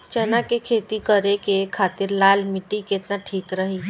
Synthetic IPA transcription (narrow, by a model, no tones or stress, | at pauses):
t͡ʃɛnakekʰeːt̪ikəɾekekʰaːt̪ɪɾlaːlmɪʈikɪt̪naʈʰiːkɾəɦi